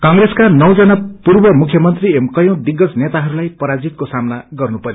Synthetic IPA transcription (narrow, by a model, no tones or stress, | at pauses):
kãŋɡreskanʌwd͡zʌnʌpurbʌmukʰjʌmʌnt̪riemkʌjõd̪iɡːʌsnet̪aɦʌɾulajpʌɾad͡zit̪̚kosamnaɡʌrnupʌɾjo